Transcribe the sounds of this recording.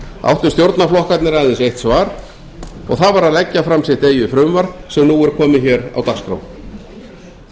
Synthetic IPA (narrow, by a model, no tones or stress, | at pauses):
a̰wht̪ʏmst̪jowɾt̪naflɔhkat̪nɪɾajðɪnsejht̪svaːɾ̥ | ɔ̰ɣθavaɾaðlɛcːafɾamsjɛht̪eːjʏfɾʏːmvaɾ̥sɛmnuːɛɾkʰɔːmɪçɛːɾa̰wt̪askɾo̰w